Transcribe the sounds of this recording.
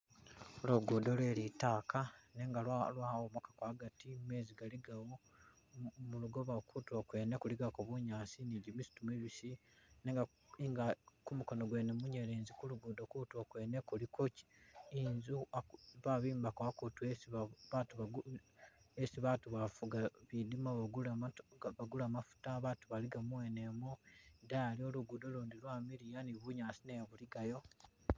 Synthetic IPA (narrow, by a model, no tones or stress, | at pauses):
oloɡuːdolwe̞ːlitaːkane̞ːŋɡalalwawomokḁkwaːɡatime̞ːziɡaliɡawo | muluɡoβakʰutwokwe̞ːne̞kuliɡakoβuɲaːsiniɟimisu̥tumweβisineːŋɡa | iŋɡakumuko̞noɡwenemuɲeɾeːnzikuluɡudokutuokwe̞ːnekulikoci̥inzuaβaβiːmbakoakutuesββatuβa | esiβatuβafuɡaβidimaβaɡu | βaɡulamafu̥taβatuβaliɡamuwene̞modaːlio̞luɡudo̞luːndilwaːmiɾijaniβuɲaːsineβuliɡajo̞